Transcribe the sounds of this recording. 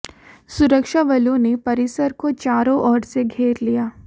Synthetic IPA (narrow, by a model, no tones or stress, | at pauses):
sʊɾəkʃaʋɐlõnepɐɾɪsəɾkot͡ʃaːɾõʔɔːɾseɡʱeːɾlijaː